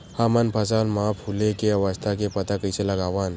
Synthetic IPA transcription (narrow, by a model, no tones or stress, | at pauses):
hamanpʰasalmaphulekeaʋast̪ʰakepət̪akəjselaɡaʋan